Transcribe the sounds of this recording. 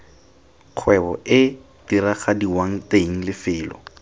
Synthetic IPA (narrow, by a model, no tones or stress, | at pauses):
q͡χʰwɛbɔ̰ʔɪ | d̥iɾaχadiwaŋ̩teiŋ̩lɪfɪːlɔ̰